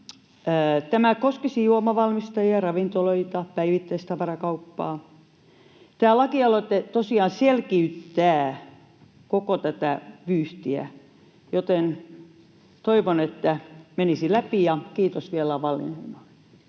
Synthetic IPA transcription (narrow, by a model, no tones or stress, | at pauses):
t̪æmækoskisijuomɑʋɑlmist̪ɑjiɑrɑʋint̪oloit̪ɑpæiʋit̪ːæist̪ɑʋɑrɑkɑupːɑː | t̪æːlɑkiɑloet̪ːet̪osiɑːnselkiyt̪ːæː | kokot̪æt̪æʋyːht̪iæ̰ | jot̪en | t̪oiʋonet̪ːæmenisilæpijɑkiːt̪osʋielɑʋɑlːḭneinoi̥